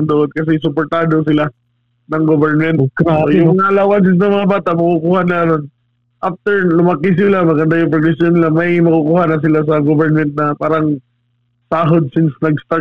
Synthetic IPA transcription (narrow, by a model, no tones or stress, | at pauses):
nd̪oʔonkɐs̬ɛs̬ʊp̬oɹt̪aːd̪os̬ɪla | nɐŋɡobɛɹnmɛnt̪jʊŋɐlawansɪs̬nɐŋmɐŋabaːt̪aʔmɐkʊkuːhanlanon | ʔaf̚t̪ɛɹlʊmɐkɪs̬ɪlamɐɡɐnd̪ajʊŋpɾɐɡlɛsjonɪlamɐjmɐkʊkuhaːnɐs̬ɪlas̬ɐɡovɛɹnmɛnt̪̚nɐpaːɾɐŋ | saːɦod̪̚sɪnsnɐɡst̪a